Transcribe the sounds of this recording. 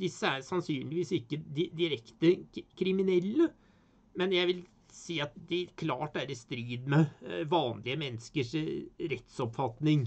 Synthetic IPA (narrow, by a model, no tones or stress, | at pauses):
d̪ɪsːəæɾsɑnsyːnlɪʋiːsɪkːəd̪ɪd̪ɪɾɛkt̪əkʰɾɪmɪnɛlːə | mɛnjæɪʋɪl | siːɑt̪̚d̪ɛæɾkʰlɑːʈæɾɪst̪ɾiːd̪mɛʋɑːnlɪəmɛnːəskəʂɾɛt̪sɔpfɑt̪nɪŋ